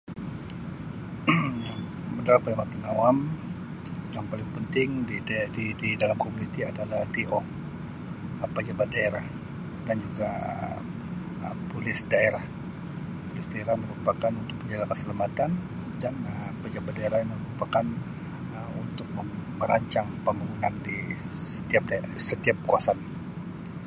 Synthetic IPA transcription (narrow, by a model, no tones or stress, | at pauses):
mədalapalamat̪anawam | jaŋpalɪŋpənt̪ɪŋdididalamkomunit̪iadalahd̪eʔo | əpəd͡ʒabat̪̚daeɾah | dand͡ʒuɡaə̰ | əpulɪsdaeɾah | pulɪsdaeɾahməɾupakanunt̪ʊk̚məɲd͡ʒaɡakəsəlamat̪an | danəpəd͡ʒabat̪̚daeɾahməməɾupakan | əunt̪ʊk̚məməɾaɲt͡ʃaŋpəmbaŋunandi | sə̥t̪iap̚dasət̪iap̚kuasan